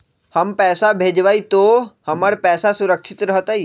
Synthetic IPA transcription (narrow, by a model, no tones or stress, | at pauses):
həmpɛːsabʱeːd͡ʒʋaːit̪ohəməɽpɛːsasʊɾəkʃʰɪt̪ɾəɦət̪ai